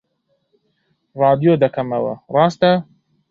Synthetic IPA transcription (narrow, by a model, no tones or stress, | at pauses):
rˤɑːd̪ijod̪ɐkʰɐmɐwɐ̰rˤɑːst̪ɐ